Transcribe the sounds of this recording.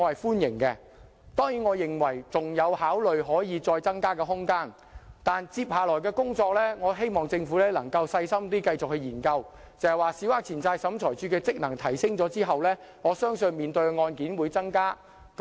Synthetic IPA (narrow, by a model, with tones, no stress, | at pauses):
ɔː˨˧hɐ˨jfuː˥njɪ˨˩ŋkɛ˧ | t̪ɔː˥ŋjiː˨˥nŋɔː˨˧jɪ˨˩ŋwɐ˨˩jt͡sʊ˨ŋjɐ˨˧whaː˨˥wlɵ˨ɥɦɔː˨˥jiː˨˧t͡sɔː˧jt͡sɐ˥ŋkaː˥kɛː˧ɦʊ˥ŋkaː˥n | t̪aː˨nt͡siː˧p̚haː˨lɔː˨˩jkɛː˧kʊ˥ŋt͡sɔː˧k̚lɛː˥ŋɔː˨˧ɦe˥jmɔː˨ŋt͡sɪ˧ŋfuː˨˥lɛː˥lɐ˨˩ŋkɐ˧wsɐ˧jsɐ˥mt̪iː˥kɐ˧jt͡sʊ˨k̚hɵ˧ɥjiː˨˩nkɐ˧w | t͡sɐ˨hɐ˨jwaː˨˩siː˨˥waː˧k̚t͡sʰiː˨˩nt͡saː˧jsɐ˨˥mt͡sʰɔː˨˩jt͡ʃyː˨˥kɛː˧t͡sɪ˥k̚nɐ˨˩ŋt̪ʰɐ˨˩jsɪ˥ŋt͡sɔː˨˥t͡siː˥ɦɐ˨wlɛː˥ | ŋɔː˨˧sœː˥ŋsɵ˧nmiː˨nt̪ɵ˧ɥŋɔː˧nkiː˨˥nwuː˨˧jt͡sɐ˥ŋkaː˥ | k